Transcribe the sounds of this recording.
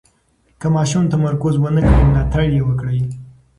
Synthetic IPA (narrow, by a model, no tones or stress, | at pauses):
kəmɑʃumt̪amaɾkʊzwənəkɽilɑt̪aɽjewəkɽəj